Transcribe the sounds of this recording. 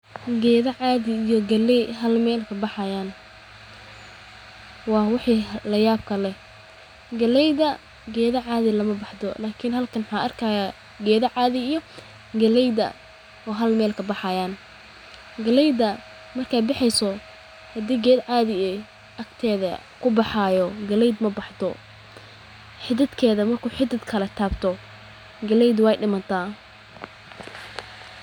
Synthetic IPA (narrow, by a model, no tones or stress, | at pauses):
ɡɛːðɐʕɑːðɪːjɔɡɐlɛɦɐlmɛːlkʰɐbɑħɑjaːn | wɑːwɑħiːlɐjaːb̚kʰɐlɛ | ɡɐlɛjðɐ | ɡɛːðɐʕɑːðɪlɐmɐbɑħd̪ɔlaːkʰinhɐlkʰɐnwħɑːʔɐrkʰɐjaː | ɡɛːðɐʕɑːðɪijɔ | ɡɐlɛjdɐ̰ | ɔːɦɐlmɛːlkʰɐbɑħɑjaːn | ɡɐlɛjd̪ɐ | mɐrkʰaːjbɑħɛjsɔ | hɐd̪iːɡɛːd̪ʕɑːðɪɛ | ʔɐkt̪ʰɛːðɐ | kʰʊbɑħɑːjɔɡɐlɛjd̪mɐbɑħd̪ɔ | ħɪd̪ɐd̪kʰɛːðɐmɐrkʰuːħɪd̪ɐd̪kʰɐlɐt̪ʰaːbt̪ʰɔ | ɡɐlɛjd̪wɛjɖɪmɐnt̪ʰaː